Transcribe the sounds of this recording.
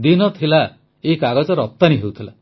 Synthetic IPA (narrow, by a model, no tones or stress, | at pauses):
d̪inɔt̪ʰila | ekaɡɔd͡ʒɔɾɔt̪ːaniɦewt̪ʰila